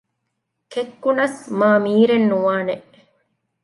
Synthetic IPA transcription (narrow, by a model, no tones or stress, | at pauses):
kekːunɐsmaːmiːɾenːuʋaːneʔ